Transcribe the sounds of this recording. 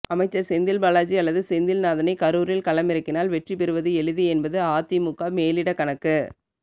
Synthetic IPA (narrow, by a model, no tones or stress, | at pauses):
ɐmɐɪt͡ʃːɐɾsɛnd̪ɪlbɐlaːd͡ʒiɐlːɐðɯsɛnd̪ɪlnaːðɐnɐɪkɐɾuːɾɪlkɐlɐmɪɾɯkːɪnaːlʋɛʈripɛɾɯʋɐðɯɛɻɯðiɛnbɐðɯaːt̪ːimʊkːaːmeːlɪɽɐkɐnɐkːɯ